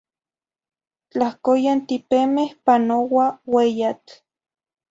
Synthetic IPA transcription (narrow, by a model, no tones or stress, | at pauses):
t͡ɬahkojant̪ipemehpanowawejat͡ɬ